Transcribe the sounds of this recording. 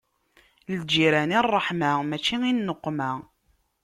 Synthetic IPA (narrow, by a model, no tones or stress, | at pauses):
ld͡ʒːiɾænirˤːəħmamæt͡ʃːiŋinːəqːmæ